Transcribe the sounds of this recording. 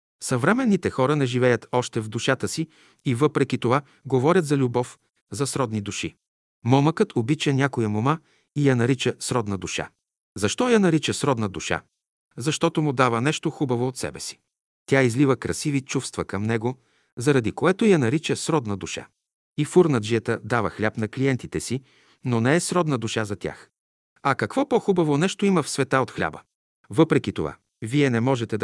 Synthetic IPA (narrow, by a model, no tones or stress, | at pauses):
sɐvɾɛmɛnːit̪ɛxɔɾənɛʒivɛjət̪ɔʃt̪ɛvd̪uʃat̪əsi | ivɤpɾɛkʲit̪ova | ɡovɔɾʲɐt̪zɐlʲubɔf | zɐsɾɔd̪nid̪uʃḭ | mɔməkət̪ʰobit͡ʃɛnʲakojɐmoma | ijɐnɐɾit͡ʃəsɾɔd̪nəd̪uʃa̰ | zɐʃt̪ɔjɐnɐɾit͡ʃəsɾɔd̪nəd̪uʃa̰ | zɐʃt̪ɔt̪omʊd̪avənɛʃt̪oxubɐvoːt̪sɛ̰bɛsi̥ | t̪ʲjaizlivəkɾɐsivit͡ʃufst̪vɐkɐmnɛɡo | zɐɾɐd̪ikoɛt̪ojɐnɐɾit͡ʃəsɾɔd̪nəd̪uʃa̰ | ifuɾnəd̪ʒijət̪əd̪avəxlʲapnɐkliɛnt̪it̪ɛsi | nonɛɛsɾɔd̪nəd̪uʃazɐt̪ʲja̰x | ɐkɐkvɔpoxubɐvonɛʃt̪oimɐfsvɛt̪aot̪xlʲa̰bə̰ | vɤpɾɛkit̪o̰va̰ | viɛnɛmɔʒɛt̪ɛd̪